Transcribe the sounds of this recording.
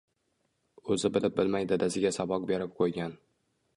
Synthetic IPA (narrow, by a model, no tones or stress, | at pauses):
ɵzɪbɪlɪp̚bɪlmajd̪ad̪asɪɡʲasabɒk̚be̞ɾɪp̚qʰojɡʲan